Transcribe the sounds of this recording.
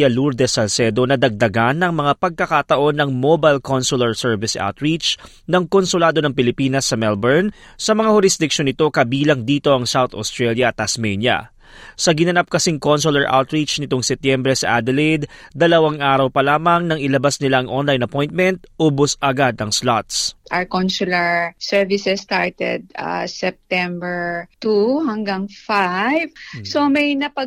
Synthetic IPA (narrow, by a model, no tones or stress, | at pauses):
ɐluɾd̪ɛsɐlsɛd̪o̞nɐd̪ɐɡ̚d̪ɐɡanːɐŋmɐŋapɐɡ̚kɐkat̪ɐʔo̞nːɐŋmobajlkonsulɛɹsɛɹvɪsʔa̰wt̪ɹit͡ʃ | nɐŋkonsʊlaːd̪o̞nɐŋpɪlɪpiːnɐsːɐmɛlbɛɹn | sɐmɐŋahʊɾɪsd̪ɪk̚ʃo̞nɪt̪o̞kɐbiːlɐŋd̪iːt̪o̞ʔɐŋsawt̪ost̪ɹɛljɐʔɐt̪ɐsmɛnjɐ̰ | sɐɡɪnɐnap̚kɐsiŋko̞nsulɛɹʔa̰wt̪ɹit͡ʃnɪt̪o̞ŋsɛt̪jɛmbɾɛsɐʔad̪ɛlid̪d̪ɐlɐwaŋʔaːɾɐwpɐlaːmɐŋnɐŋɪlɐbasnɪlaʔɐŋʔonlajnɐpo̞jnt̪̚mɛnt̪̚ʔoːbosʔɐɡad̪ɐŋslat̪sʔaɹkonsulɐɹsɛɹvɪsɛst̪aɹt̪ɛd̪̚a̰sɛp̚t̪ɛmbɛɹt̪uhɐŋɡaŋfajvsomɐjnɐpɐ